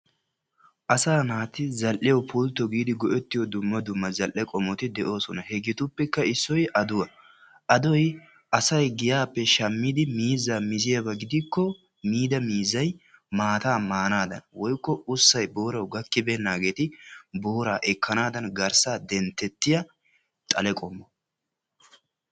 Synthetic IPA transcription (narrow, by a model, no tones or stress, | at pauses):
ʔɐsaːnaːt̪ɪzɐlʔɪjɐwpʰult̪ːɔɡiːd̪ɪɡɔʔɛt̪ːɪjɔd̪ʊmːɐd̪ʊmːɐzɐlʔːɛkʼɔmɔt̪ɪd̪ɛʔo̞ːsɔnɐhɛɡɪt̪ʊpːɛkːɐɪsːɔjɐd̪ʊwɐ | ʔɐd̪ɔj | ʔɐsɐjɡɪjaːpːɛʃɐmːɪd̪ɪmiːzːaːmɪzɪjabɐɡɪd̪ɪkːɔ | miːd̪ɐmiːzːɐjmaːt̪aːmaːnaːd̪ɐ̰nwɔjkːɔʊsːɐjbo̞ːɾɐwɡɐkːɪbɛːnːaːɡe̞ːt̪ɪbo̞ːɾaːʔɛkːɐnaːd̪ɐnɡɐɾsaːd̪ɛnt̪ːɛt̪ːɪjɐ | t̪ʼɐlɛkʼɔmːɔ